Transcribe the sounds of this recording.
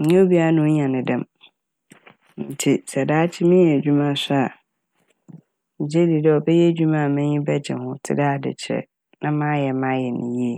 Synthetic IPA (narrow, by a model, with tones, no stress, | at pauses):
m̩˨˦ɛ̃˦o˦bi˦a˦nʊ̃˦ɲã˨nɪ̃˨dɛ̃˦m | n̩˨tʰi˨sɛ˨daː˦t͡ɕʰɪ˦mɪ̃˦˨d͡ʑᶣu˦mã˦˨sʊ˦a˨ | ɲ̩˨d͡ʑe˦di˨dɛ˦˨ɔ˨bɛ˦jɛ˦d͡ʑᶣu˦mã˦a˨mɛ̃˦ɲĩ˦bɛ˦d͡ʑɪ̰˨hʊ̃˦tʰɪ̰˦daː˦˨dɪ̰˨t͡ɕʰɪ˨ɾɛ̰˨ | nã˦mã˦jɛ˨mã˦jɛ˨nɪ̰̃˨je˦˨